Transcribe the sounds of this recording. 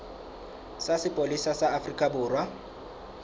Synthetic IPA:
sasɪpʼolisasaːfrikʼabʊːrwa

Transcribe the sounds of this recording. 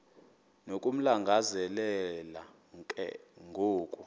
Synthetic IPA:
nokʼum̩laŋɡʱazɛlɛla | ŋkʼɛ̰ŋɡʱoːkʼu

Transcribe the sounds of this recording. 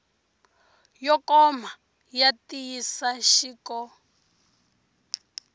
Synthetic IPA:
jɔkʼɔma | jatʼijisaʃiːkɔ

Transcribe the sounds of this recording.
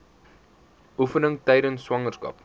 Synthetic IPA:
ʔufənəŋtɛjdənsːwɐŋərskɐ̰p

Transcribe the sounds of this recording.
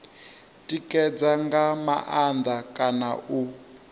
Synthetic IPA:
tʼikʼɛd͡zaŋɡama̰ʔand̪akʼanaʔu

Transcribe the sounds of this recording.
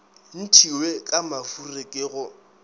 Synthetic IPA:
n̩tʰiwekʼamafurekʼɪːɣʊ

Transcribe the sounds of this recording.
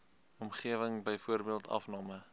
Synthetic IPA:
ɔmχiəvəŋbəjfuərbiəlˠtʰɐ̰fnɑːmə

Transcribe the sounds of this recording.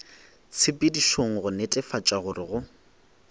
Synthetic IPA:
t͡sʰɪpʼediʃoŋ̩ɣʊnetʼɛfat͡ʃʼaɣʊrɪɣʊ

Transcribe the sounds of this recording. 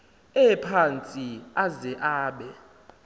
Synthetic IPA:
ɛpʰant͡sʼiazɛʔaːɓɛ

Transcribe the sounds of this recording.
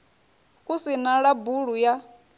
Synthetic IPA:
usinaɺabuɺuja

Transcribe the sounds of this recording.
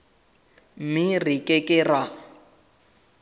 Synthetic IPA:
mɪrikʼɛkʼɛra

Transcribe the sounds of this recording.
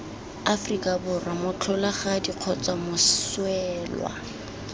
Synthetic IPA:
afrikʼabʊramʊt͡ɬʰɔlaχadiq͡χʰɔt͡sʼamʊswɛːlwa̰

